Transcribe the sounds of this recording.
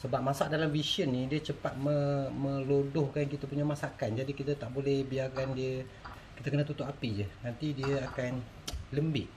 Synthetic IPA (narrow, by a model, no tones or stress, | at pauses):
səbap̚masaʔ̚dalamvisiənːĩdiət͡ʃəpat̪̚mə̃məlodʊhkankit̪apuɲamasakand͡ʒadikit̪at̪aʔbolɛhbiakandiə | kit̪əkənat̪̬ut̪ʊʔapid͡ʒənant̪idiəakan | ləmbɪʔ